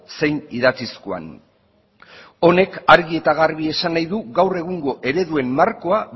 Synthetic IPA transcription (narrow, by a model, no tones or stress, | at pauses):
se̞jniðat͡siskoa̰n | o̞ne̞kaɾɣie̞t̪aɣaɾβie̞sanːajðuɣawre̞ɣ̞uŋɡo̞ʔe̞ɾe̞ðue̞mːaɾko̞a